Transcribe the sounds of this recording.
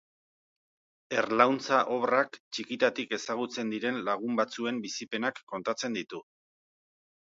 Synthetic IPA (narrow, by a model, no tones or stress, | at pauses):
e̞rlawnt͡saʔo̞βrakt͡ʃikit̪at̪ike̞saɣut͡se̞nd̪iɾe̞nlaɣ̞umbat͡sue̞mbisipe̞nakːo̞nt̪at͡se̞nd̪it̪u